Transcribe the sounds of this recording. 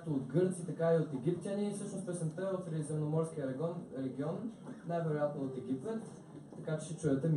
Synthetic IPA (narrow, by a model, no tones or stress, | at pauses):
t̪ood̪ɡɤɾt̪sit̪ɐkaiot̪ɛɡʲipt̪ʲjənisɤʃnost̪ɛsɛmp̪ɛot̪ɾɛzɛmnomɔɾsk̟ʲiəɾɛɡɔnɾɛɡʲiɔnːajvɛɾojat̪noot̪ɛɡ̟ʲipɛt̪ː | ɐkat͡ʃɛ̥t͡ʃɛt͡ʃʊɛt̪əm